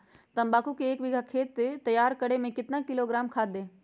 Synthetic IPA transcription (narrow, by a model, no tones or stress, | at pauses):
t̪ɐ̃mbaːkukeːkʋɪɡʱakʰeːt̪ːet̪ɐjaːɾkɐɽemẽkɪt̪nakɪloɡɾaːmkʰaːd̪ẽː